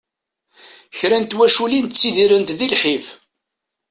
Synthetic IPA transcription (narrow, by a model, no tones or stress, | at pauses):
çɾænt̪wæʃulint͡sːiðiɾənt̪ðilħif